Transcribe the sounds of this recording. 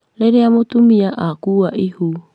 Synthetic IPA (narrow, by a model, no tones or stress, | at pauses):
leɾeamot̪umiaʔakuaʔihu